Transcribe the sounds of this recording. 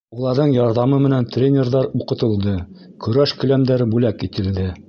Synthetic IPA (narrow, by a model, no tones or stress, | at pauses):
ulˠɑɾðɤɴjɑɾðɑmɤmɘ̆nænt̪rʲenʲerðɑɾuqɤ̆t̪ɤ̆lˠd̪ɤ | kɵ̆ɾæʃkɵ̆læmd̪æɾbʉlækit̪ɘ̆ld̪ɘ